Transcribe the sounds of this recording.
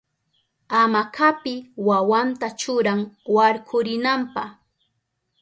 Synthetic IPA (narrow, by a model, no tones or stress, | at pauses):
amakʰapɪwawant̪at͡ʃʊɾaŋwaɾkʰʊɾɪnampah